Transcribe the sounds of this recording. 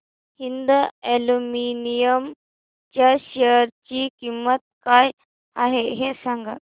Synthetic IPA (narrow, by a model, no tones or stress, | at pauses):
hind̪eluminijəm | t͡ɕjaɕeɾt͡ɕiːkimːət̪̚kaj | aɦeɦesaŋɡət̪